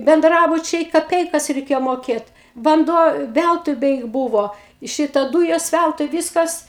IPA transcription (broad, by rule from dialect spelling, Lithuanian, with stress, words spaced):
bʲɛnˈdrɑːbʊt͡ʃʲɛɪ kɐˈpʲɛɪkɐs rʲɛɪˈkʲeːjoː moːˈkʲeːt ʋɐnˈduɔ ˈʋʲælˠtʊɪ ˈbʲɛɪk ˈbuːʋoː ˈʃʲɪtɐ ˈduːjoːs ˈʋʲælˠtʊɪ ˈʋʲiːskɐs